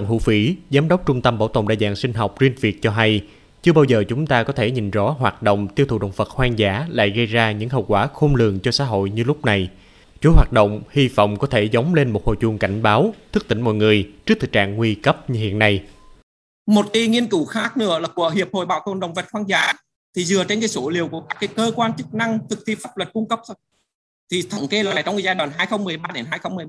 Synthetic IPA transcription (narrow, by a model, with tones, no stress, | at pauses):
ə˧˨hṵ˧˥fi˧˦zaː˨˦mɗə˦˥wk͡p̚t͡ɕʊ˧ŋ͡mt̪ə˧mɓaː˧˩wt̪o̰˧˨wŋ͡mɗa̰ː˧˨jza̰ː˧˨ŋsï˧ŋ̟ɦɔ˨˩wk͡p̚zwi˧ənvi˨˩ək̚t͡ɕɔ˧ɦa˧j | t͡ɕɨ˧əɓaː˧wzəː˨˩t͡ɕʊ˨˦ŋ͡mt̪aː˧kɔ˨˦t̪ʰe˧˩ɲi˨˩n̟zɔ̰˧˥˦ɦwaː˨˩t̚ɗo̰˧˨wŋ͡mt̪i˧əwt̪ʰu˨˩ɗə̰˨wŋ͡mfə˨˩t̚hwaː˧ŋzaː˧˩˥la̰ː˧˨jɣə˧jzaː˧ɲɨ̰˧˥ŋɦə̰˧˨wkwaː˧˩xo˧mlɨ̰˨əŋt͡ɕɔ˧sa̰ː˧˥ɦo̰˧˨jɲɨ˧lʊ˦˥k͡p̚na˨˩j | t͡ɕo˨˦jɦwaː˨˩t̚ɗo̰˧˨wŋ͡mhi˧vɔ̰˧˨wŋ͡mkɔ˨˦t̪ʰe˧˩zə˨˦wŋ͡mle˧nmo˨˩t̚ho̰˧˨jzu˧əŋka˧˩jŋ̟ɓaː˨˦wt̪ʰɨ˦˥k̚t̪ï˧˩ŋmɔ̰˧˨jŋɨ˨˩əjt͡ɕɨ˦˥k̚t̪ɨ˨˩k̚t͡ɕa̰ː˧˨ŋːwi˧kə˦˥p̚ɲɨ˧hḭ˧˨ənːa˧j | mo˨˩t̚ki˨˦ŋi˧ənkɨ˧˩xaː˦˥k̚nɨ̰˧˥əlaː˨˩ku˧˩əɦi˨˩əp̚ho̰˧˨jɓa̰ː˧˨wk̪o̰˧˩nɗə̰˨˩wŋ͡mvə˨˩t̚hwaː˧nzaː˧˩˦ | t̪ʰi˨˩zɨ˨˩ət͡ɕe˧nkaː˨˦jso˧˦li˨˩əwku˧˩əkaː˦˥k̚ːaː˨˦jkəː˧kwaː˧nt͡ɕɨ˦˥k̚na˧ŋt̪ʰɨ˨˩k̚t̪ʰi˧faː˦˥p̚lə˨˩t̚kʊ˧ŋ͡mkə˦˥p̚ | t̪ʰi˨˩t̪ʰə̰˧˩ŋ͡mke˧laː˨˩˨t͡ɕwŋ͡mkɨ˧˦zaː˧jɗwaː˨˩nɦaː˧jxə˧wŋ͡mmɨ˨˩əjɓaː˧ɗe˨˦nɦaː˧jxə˧wŋ͡mmɨ˨˩əj